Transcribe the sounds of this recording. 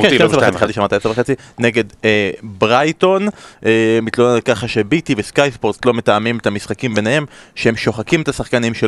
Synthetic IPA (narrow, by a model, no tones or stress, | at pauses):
teeseveesiχet͡siʃamatajesʁveχet͡sine̞ɡe̞debʁajto̞nemitlonekaχaʃe̞bitiveskajsboʁt̪lo̞metamimetamisχakimbe̞nehemʃeemʃo̞χakimetasaχkanimʃe